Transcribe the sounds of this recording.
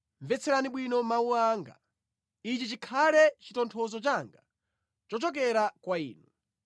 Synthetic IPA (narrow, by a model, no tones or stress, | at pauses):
ɱvɛt͡sʰɛɾaniɓwinɔmauaːŋɡa̰ | it͡ʃit͡ʃikʰalɛt͡ʃitɔntʰɔzɔt͡ʃaŋɡa | t͡ʃɔt͡ʃɔk̬ɛɾakwaḭːnu